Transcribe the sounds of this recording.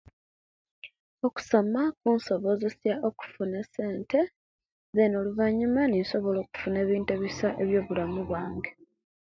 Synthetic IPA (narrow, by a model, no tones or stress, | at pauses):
o̞ku̥so̞makuːnso̞βo̞ze̞sjao̞ku̥fune̞se̞ːntʰe̞ | zenoluvaɲumaninso̞βo̞lo̞ːku̥fune̞ːβiːnte̞ːβisaʔe̞βjo̞ːβulamuβwaːŋɡe